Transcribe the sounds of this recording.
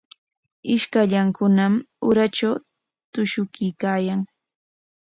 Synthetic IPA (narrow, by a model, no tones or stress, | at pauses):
ɪʃkaʎaŋkʊnam | ʊɾat͡ʃaw | t̪ʊʃʊkɪjkaːjaŋ